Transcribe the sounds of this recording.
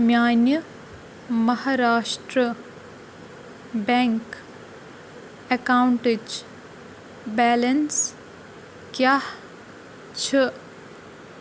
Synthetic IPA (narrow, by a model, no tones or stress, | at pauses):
mjaːnjə | mɐɦaːɾaːʃʈɾə | bɛŋk | ekaːwɳʈed͡ʒ | bɛːlɐns | kjaːh | t͡ʃʰə